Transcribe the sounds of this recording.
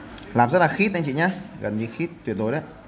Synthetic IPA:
laː˨˩mzə˦˥laː˨˩xi˦˥t̚ʔa˧ŋt͡ɕḭ˧˨ɲa˧˦ɣə̰˨˩nɲɨ˧˦xi˦˥t̚t̪ːwət̚zo˨˩jɗə˨˦j

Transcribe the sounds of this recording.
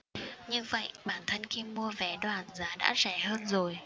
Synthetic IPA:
ɲɨ˧və̰˧˨jɓaː˧˩nt̪ʰə˧nxi˧mu˧əvɛ˨˩˦ɗwaː˨˩nzaː˨˦ɗa̰ː˧˥zɛ˧˩həː˧nzo˨˩j

